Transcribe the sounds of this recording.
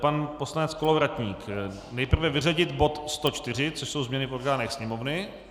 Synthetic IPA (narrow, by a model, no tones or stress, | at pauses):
panposlanɛt͡skolovɾat̪ɲiːk | nɛjpr̩vɛvɪraɟɪt̪bo̞t̪st̪o̞t͡ʃt̪ɪr̝ɪt͡soʃso̞wzmɲɛnɪfo̞ɾɡaːnɛxsɲɛmovnɪ